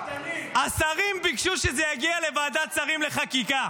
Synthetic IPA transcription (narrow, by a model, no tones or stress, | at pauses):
asaʁimbikʃuʃezɛjaɡialevaːdasaʁimle̞χakika